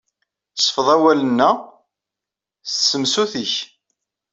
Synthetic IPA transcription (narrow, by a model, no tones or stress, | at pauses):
sˤfəðˤæwælənːæ | ssəmsuθiç